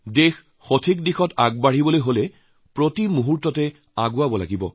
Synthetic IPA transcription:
dexː | otʰik̚dixɔtaɡ̚baɹ̤ibɔlojɦolɛ | pɹotimuɦuɹtɔtɛ | aɡʊabɔla̰ɡibɔ̰

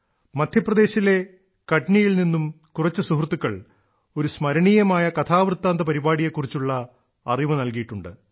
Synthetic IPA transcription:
mɐd̪ʱjɐprɐd̪e̞ːɕile̞ | kɐʈnijilninːum | kurɐt͡ɕːɨsuɦrt̪ːukːɐɭ | o̞ɾusmɐɾɐɳiːjɐmaːjɐkɐt̪ʰaːʋrɨt̪ːaːnd̪ɐpɐɾibaːɽijekːurit͡ɕːuɭːɐ | ɐriʋɨnɐlkijiʈːuɳɖɨ̰

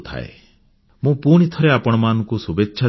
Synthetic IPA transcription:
t̪ʰa̰ḛ | mũpuɽ̃it̪ʰɔɾeapɔɽ̃ɔmanɔ̃ŋkusubetːʃʰa

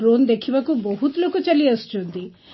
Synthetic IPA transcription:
ɾond̪ekʰibakubɔɦut̪lokut͡ʃalist͡ʃʰunt̪i

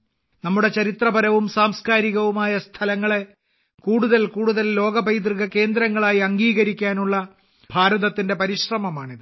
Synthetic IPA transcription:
nɐmːuɽe̞t͡ɕɐɾit̪rɐbɐɾɐʋumsaːmskaːɾiɣɐʋumaːjɐst̪ʰɐlɐŋːɐɭe̞ | kuːɽuðɐlkuːɽuðɐllo̞ːɡɐbɐjt̪̬riɣɐke̞ːnd̪ɾɐŋːɐɭaːjiɐŋɡiːɣɐɾikʲːaːnuɭːɐ | bʱaːɾɐðɐt̪ːinde̞pɐɾiɕrɐmɐmaːɳiðɨ

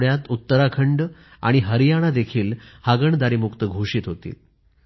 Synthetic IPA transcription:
ɽjat̪ut̪ːəɾakʰəɳɖ | a̰ɽ̃iɦəɾijaɽ̃ad̪ekʰiːlhaɡəɳd̪aɾiːmukt̪əɡʱoʂiːt̪ɦot̪ḭːl

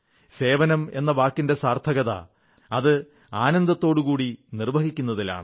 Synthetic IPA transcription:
se̞ːʋɐnɐme̞nːɐʋaːkːinde̞saːrt̪ʰɐɣɐðɐ̰ | ɐðɨ | aːnɐnd̪ɐt̪ːo̞ːɽukuːɽinirʋɐɡikʲːunːɐðila̰ːɳɨ

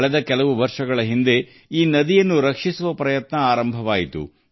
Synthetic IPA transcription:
ɭɛd̪ɐkɛlɐʋuʋɐɾʂɐɡɐɭɐɦind̪e̞ | iːnɐd̪ijɐnːuɾɐkʂisuʋɐpɾɐjɐt̪nɐaːɾɐmbʱɐʋaːjit̪ṵ

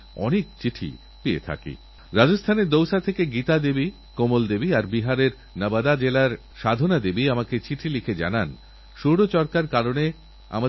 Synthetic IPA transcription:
ɔ̰nek̚t͡ɕiʈʰḭ | piḛt̪ʰa̰kḭ | ɾad͡ʑost̪ʰaneɾd̪owʃat̪ʰekeɡit̪ad̪ebi | komold̪ebiaɾbiɦaɾeɾ | nabad̪ad͡ʑelaɾ | ʃad̪ʱonad̪ebiamaket͡ɕiʈʰilikʰed͡ʑa̰nan | ʃoɽot͡ɕɔɾkaɾkaɾone | a̰ma

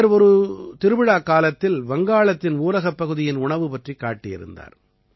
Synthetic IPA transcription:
ɾɔɾɯt̪ɪɾɯbɪɻaːkːaːlɐt̪ːɪlʋɐŋɡaːɭɐt̪ːɪnuːlɐɣɐpːɐɣɯðɪjɪnʊɳɐʋɯpɐʈrikːa̰ːʈːɪjɪ̰ɾɯ̰nd̪a̰ːɾ

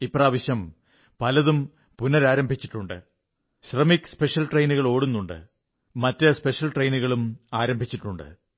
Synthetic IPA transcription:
ipːraːʋɐɕjɐm | pɐlɐðum | punɐɾaːɾɐmbʱit͡ɕːi̥ʈːuɳɖɨ̰ | ɕrɐmikspe̞ʂɐlʈrejnuɣɐɭo̞ːɽunːuɳɖɨ̰ | mɐtːɨspe̞ʂjɐlʈrejnuɣɐɭumaːɾɐmbʱit͡ɕːiʈːuɳɖɨ̰

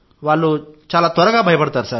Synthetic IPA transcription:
ʋalut͡ɕalat̪ɔɾəkabʱajpəɽt̪aɾsaɾ

